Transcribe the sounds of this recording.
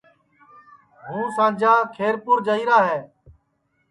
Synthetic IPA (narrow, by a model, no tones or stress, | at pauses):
ɦũːsãːd͡ʒaːkʰeːɾpʊːɾd͡ʒəiːɾaːɦeː